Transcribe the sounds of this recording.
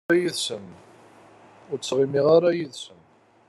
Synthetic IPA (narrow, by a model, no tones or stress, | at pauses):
æjiðsən | ʊɾt͡sːʁimiʁaɾajiðsən